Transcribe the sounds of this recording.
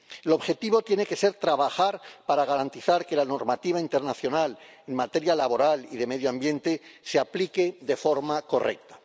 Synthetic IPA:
elo̞βxe̞t̪iβo̞t̪je̞ne̞ke̞se̞ɾt̪ɾaβaxaɾpaɾaɣaɾant̪iθaɾke̞lano̞ɾmat̪iβ̞aint̪eɾnaθjo̞nal | e̞ŋmat̪e̞ɾjalaβo̞ɾaliðe̞me̞ðjoãmbje̞nt̪e̞seaplike̞ðe̞fo̞ɾmako̞rḛk̚t̪ḁ

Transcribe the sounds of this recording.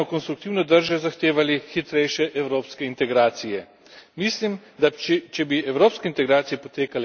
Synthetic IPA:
ɔkɔnst̪ɾukt̪iːwnɔd̪əɾʒɛzaxt̪eːʋalixit̪ɾɛjʃɛʔɛwɾoːpskɛint̪ɛɡɾaːt̪sijɛ | mislimd̪at͡ʃit͡ʃɛbiɛwɾoːpskɛint̪ɛɡɾaːt̪sijɛpɔt̪eːkal

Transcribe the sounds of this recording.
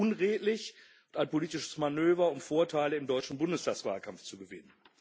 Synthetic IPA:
ʊnʁeːtlɪç | ʊntaɪnpoliːtɪʃə̥smanøːvɐʊmfoːɐtʰaɪləɪmdɔʏt͡ʃn̩bʊndəstʰaːksv̥a̰ːlkʰamft͡suɡəvɪ̰nən

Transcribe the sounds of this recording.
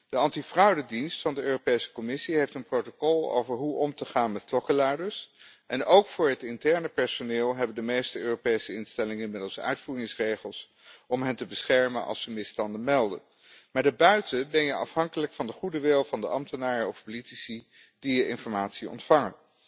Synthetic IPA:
d̥əɑntifrɑwdədinstfɑndəøːropejsə̥kɔmɪsiɦejftənprowtokɔlˠo̰wvəɹɦuʔɔmtəχaːnmɛtklɔkəladəɹsʔɛnʔowkfʊːɹɦətɪntɛɹnəpɛɹsonɪːlˠɦɛbəndəmejstəøːropejsəɪnstɛlɪŋəɪnmɪdəlˠsœ̰ɥtfuːrɪŋsrejχəlˠs | ɔmɦɛntəbəsχɛɹmənʔɑ̰lˠsəmɪstɑndəmɛlˠdə̰n | maːdaːbœɥtəbɛnjəʔɑ̰fɦɑŋkələkfɑndəχudəʋɪlˠvɑndəʔɑmtənaːɹəɔfpolitisi | d̥ijəʔɪnfɔɹmaːtsiɔ̰ntfɑŋən

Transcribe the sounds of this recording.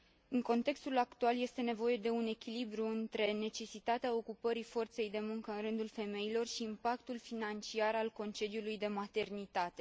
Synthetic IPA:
ɨŋko̞nt̪e̞kst̪ulakt̪ualje̞st̪e̞ne̞vo̞je̞d̪e̞une̞kʲilibɾuɨnt̪ɾe̞ne̞t͡ʃe̞sit̪at̪eao̞kupəɾifo̞rt̪se̞jd̪e̞muŋkəɨnrɨnd̪ulfe̞me̞jilo̞rʃiːmpakt̪ulfinant͡ʃiaɾalko̞nt͡ʃe̞d̪iulujd̪e̞mat̪e̞rnit̪at̪e̞

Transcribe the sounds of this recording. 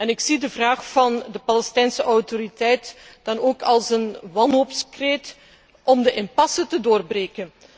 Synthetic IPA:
ɛnɪksidəvraːxfɑndəpɑlɛstɛjnsəʔɔwtoɾitɛjtd̥ɑnoːkɑlˠsənʋɑnɦopskret | ʔɔmdəʔɪnpɑsətədoːrbreːkən

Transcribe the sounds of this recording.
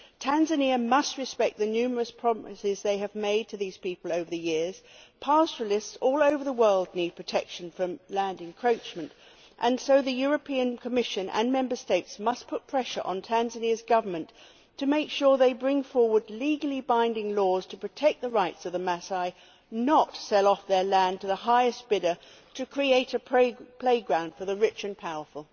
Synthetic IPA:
tʰæ̃nzɨniəmʌst̚ɹɨspɛk̪̚ðɨnʉmə˞ɨspʰɹ̥ɑɨsɪzðeɪɨvmeɪd̚tʰɨðiz̥pipl̩ˠoʊvə˞ðɨjɪɹz̥pʰɑsəlˠɪstsɔlˠoʊvə˞ðəwɜ˞lˠdⁿnid̚pʰɹ̥ɨtʰɛkʃɨ̃n̩fɹʌ̃mlæ̃ndɨ̃ŋkʰɹ̥oʊt͡ʃmɨ̃nt | ʔɨ̃nsoʊðɨjʊɹɨpʰiɨ̃nkʰəmɪʃɨ̃nʔɨ̰̃nmɛ̃mbə˞steɪtsmʌspʰʊt̚pʰɹ̥ɛʃə̰˞ʔə̰̃ntʰæ̃nzɨnɪəzɡʌvə˞mɨ̃ntʰ | ɨmeɪkʃʊɹðeɪbɹɪ̃ŋfɔɹwə˞dˡliɡl̩ˠibãɪ̃ndɪ̃ŋlɔz̥tʰɨpʰɹ̥ɨtʰɛk̚ðəɹaɪtsʌvðəmæsaɪ | nətsɛlˠɔfðə˞læ̃ntʰɨðəɦaɪɨs̚b̥ɪɾə˞ | ɾɨkʰɹ̥ieɪɾɨpʰpʰl̥eɪɡɹãʊ̃nd̥fə˞ðɨɹɪt͡ʃɨ̃npʰaʊə˞fl̩ˠ

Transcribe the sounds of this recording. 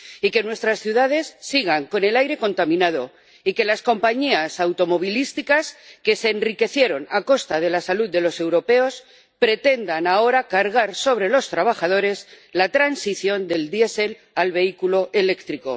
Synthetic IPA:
ike̞nwe̞st̪ɾasθjuðað̞e̞sːiɣ̞aŋko̞ne̞lajɾe̞ko̞nt̪amĩnað̞o̞ | ike̞lasko̞mpaɲiasawt̪o̞mo̞β̞ilist̪ikaske̞se̞ːnrike̞θje̞ɾo̞nako̞st̪að̞e̞lasaluððe̞lo̞se̞wɾo̞pe̞o̞s | pɾe̞t̪e̞nd̪anao̞ɾakaɾɣ̞aɾso̞βɾe̞lo̞st̪ɾaβ̞axað̞o̞ɾe̞z | lat̪ɾansiθjo̞nd̪e̞ld̪jese̞l | alβe̞ikulo̞ʔe̞le̞kt̪ɾiko̞̰

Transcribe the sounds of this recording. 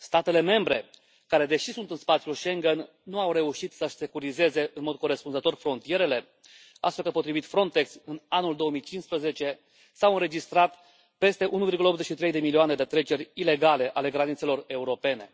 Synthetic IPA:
st̪at̪e̞le̞me̞mbɾe̞ | kaɾe̞d̪e̞ʃisunt̪ɨnspat̪sjulʃe̞ŋɡenːuawɾe̞uʃit̪səʃse̞kuɾize̞ze̞ɨnmo̞d̪̚ko̞ɾe̞spunzət̪o̞rfɾo̞nt̪ije̞ɾe̞le̞ | a̰ʃakəpot̪ɾivit̪fɾo̞nt̪e̞ksɨnanuld̪o̞omijt͡ʃinspɾəze̞t͡ʃe̞ | sawɨnɾe̞d͡ʒist̪ɾat̪ | pe̞st̪e̞ʔunuvirɡuləopt̪zet͡ʃʃit̪ɾejd̪e̞milioane̞d̪et̪ɾe̞t͡ʃe̞ɾʲile̞ɡale̞ʔale̞ɡɾanit̪se̞lo̞re̞uɾo̞pe̞ne̞̰

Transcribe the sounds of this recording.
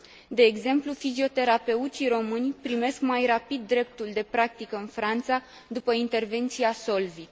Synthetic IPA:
d̪e̞ːɡze̞mplufizio̞t̪e̞ɾape̞ut̪siro̞mɨnʲpɾime̞skmajrapid̪ːɾe̞p̚t̪uld̪e̞pɾak̚t̪ikəɨnfɾant̪sa | d̪upəint̪e̞rve̞nt̪siaso̞lvit̪

